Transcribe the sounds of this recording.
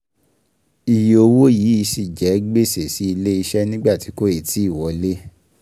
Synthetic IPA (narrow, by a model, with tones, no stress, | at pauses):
i˨jo˧wo˦jiː˨˦i˧si˦˨d͡ʒɛ˨˦ɡ͡be˦˨se˨si˨˦i˧le˦i˧ʃɛ˦nĩ˦ɡ͡ba˦˨ti˨˦ko˦e˦˨ti˨˦i˦˨wɔ˨˧le˦